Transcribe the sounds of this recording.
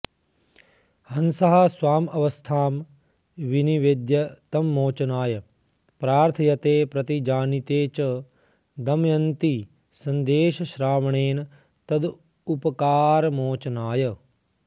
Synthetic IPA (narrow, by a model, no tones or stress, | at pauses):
hɐnsɐɦɐsʋaːmɐʋɐst̪ʰaːm | ʋiniʋed̪jɐt̪ɐmːoːt͡ʃɐnaːjɐ | pɾaːɾt̪ʰɐjɐt̪eːpɾɐt̪id͡ʒaːnit̪eːt͡ʃɐ | d̪ɐmjɐnt̪i | sɐnd̪eːʃɐʃɾaːʋɐɳeːnɐ | t̪ɐd̪ | upɐkaːɾɐmoːt͡ʃɐnaːjɐ